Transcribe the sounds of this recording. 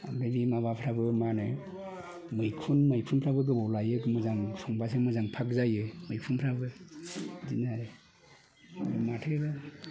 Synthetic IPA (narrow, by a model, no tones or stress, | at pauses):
amɾɯbimaβapʰɾabɯmanɯ | mɯjkʰunmɯjpʰunpʰɾabɯɡɯbɔwlajɯkmɯzaŋsʰɔŋbasemɯzaŋpʰak̚zajɯmɯjpʰunpʰɾabɯ | dinaɾɯ | aɾɯmatʰɯba